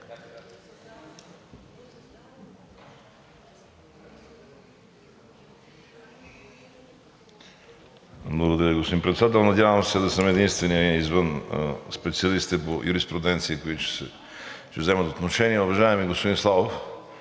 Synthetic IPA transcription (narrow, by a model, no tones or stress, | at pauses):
blˠɐɡod̪ɐɾʲaɐɡospod̪impɾɛt̪sd̪at̪ɛlˠnɐd̪ʲjavəmsɛd̪ɐsəmɛd̪inst̪vɛniizvənspɛt̪siɐlisit̪ɛpojʔuɾispɾʊd̪ɛnt̪sikoit̪ʊt͡ʃsɛ | ʃt͡ʃɛvzɛmət̪ot̪noʃɛniɛʊvɐʒaɛmiɡospod̪inslˠavof